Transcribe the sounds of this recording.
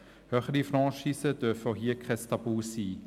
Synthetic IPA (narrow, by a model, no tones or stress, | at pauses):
høχədifɾɑːʃiːsəd̥øɐfəɦiːkʰʁɛst̪abuːsiː